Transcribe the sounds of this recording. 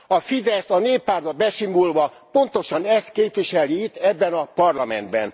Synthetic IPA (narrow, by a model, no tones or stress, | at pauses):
ɒfid̪ɛst̪ɒneːpːaːrt̪bɒbɛʃimulvɒ | po̞nt̪o̞ʃɒnɛst̪keːpʋiʃɛlːiit̪ːɛbːɛnɒpɒrlɒmɛ̰nd̪bɛ̰n